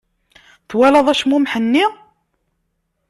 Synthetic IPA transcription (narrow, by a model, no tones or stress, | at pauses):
θwælɑðˤæʃmumħənːi